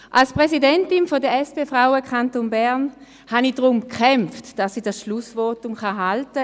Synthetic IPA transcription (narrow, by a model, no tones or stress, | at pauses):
ʔalspʁɛsidɛntɪnfodəɛspefʁawəkʰantonbɛɐn | hanidʁʊmkʰχɛmftd̥asːiːdasʃlusvɔːtʊmχaɦaltə